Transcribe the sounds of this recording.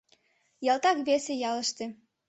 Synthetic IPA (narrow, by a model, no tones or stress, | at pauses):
jɑlt̪ɑkβesejɑləʃt̪e